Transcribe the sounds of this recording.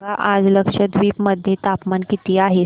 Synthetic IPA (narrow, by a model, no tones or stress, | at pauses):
aʔad͡zləkʂəd̪ʋiːpməd̪ʱjet̪apmankit̪iːaɦe